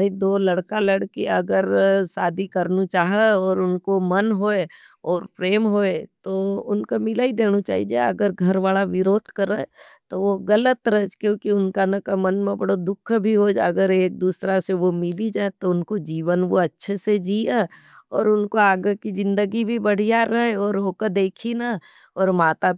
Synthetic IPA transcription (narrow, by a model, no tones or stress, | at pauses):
id̪oːlɐɽkalɐɽkiɐɡəɾsaːd̪ʱikɐɾnut͡ʃaːɦeɔːɾʊnkomɐnɦoe | ɔːɾpɾeːmɦoet̪oʊnkomɪlaːid̪eːnut͡ʃa̰ːɦḭd͡ʒḛɐ̰ɡəɾɡʱɐɾʋaːlaʋɪɾoːd̪ʱkəɾe | t̪oʋoɣɐlət̪ɾəɦɛd͡ʒkjõːkiʊnkanəkamɐnmẽbɐɽod̪ʊkʰːbʱiɦod͡ʒɐ̰ɡəɾeːk̚d̪uːsɾaseʋomɪlid͡ʒaːet̪oʊnkod͡ʒiːʋənʋoɐtːʃʰesed͡ʒiːe | ɔːɾʊnkoaːɡəkid͡ʒɪ̃nd̪əɡibʱibɐɽ̤ijaɾɐɦeɔːɾɦoːkad̪eːkʰina | ɔːɾmaːt̪a